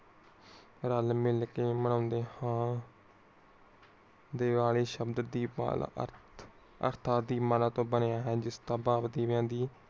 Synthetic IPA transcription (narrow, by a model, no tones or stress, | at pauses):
ɾəlmɪlkeːməɳãːnd̪eːhãː | d̪eːʋaːɭeːʃəbd̪d̪ḭː | ə̰ɾt̪ʰaːd̪iːmaːlaːt̪õːbənejaːɦɛːd͡ʒɪst̪ãːbaːʋd̪eːʋjãːd̪iː